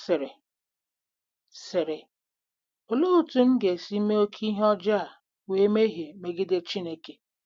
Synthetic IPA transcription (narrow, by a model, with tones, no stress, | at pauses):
sɪ˨ɾe˨ | sɪ˨ɾe˨ | o˨lu˦u˨tu˨ŋ̩˦ɡe˨si˦me˦o˦kʰi˦ɦɔ˦d͡ʒa˦a˨ | we˨˦me˦ɦe˨me˨ɡɪ˦de˦t͡ʃi˦ne˨ke˨